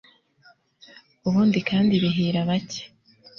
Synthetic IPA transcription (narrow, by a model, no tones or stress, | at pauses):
uβuːndikʰaːndiβiɦiːɾaβace̥